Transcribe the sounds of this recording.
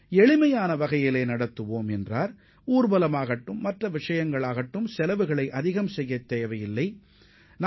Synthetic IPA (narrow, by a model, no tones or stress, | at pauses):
ɛɭɪmɐjaːnɐʋɐɣɐjɪleːnɐɽɐt̪ːɯʋoːmɛndraːɾ | uːɾbɐlɐmaːɣɐʈːɯmːɐʈrɐʋɪʂɐjɐŋɡɐɭaːɣɐʈːɯmsɛlɐʋɯɣɐɭɐɪʔɐðɪɣɐmsɛjːɐt̪ːeːjʋɐjɪlːɐɪ | n